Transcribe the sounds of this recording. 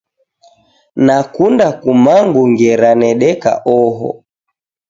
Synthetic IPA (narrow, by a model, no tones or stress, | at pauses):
nakundakumaŋɡuŋɡɛɾanɛɗɛka̰ʔɔɦɔ̰